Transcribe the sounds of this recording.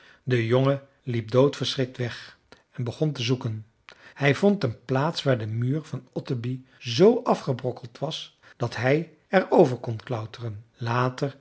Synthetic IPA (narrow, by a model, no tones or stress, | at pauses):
dəjoŋə | lip̚dowtfəɹsrɪk̚tʋɛχ | ɛnbəχɔntəzukən | hɛjvɔntənplaːtsʋaːɹdəmyːɹvɑnɔtəbi | zowʔɑfχəbrɔkəlˠtʋɑs | d̥ɑtɦɛj | ɛrowvəɹkɔnklœwtərənlaːtəɹ